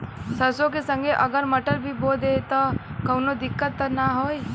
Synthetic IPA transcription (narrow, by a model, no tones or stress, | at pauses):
sɐsõk̬esə̃ŋɡʱeʔɐɡəɾməʈəɾbʱiboːd̪et̪ɔkɐwnod̪ɪkːət̪ːənaɦoːj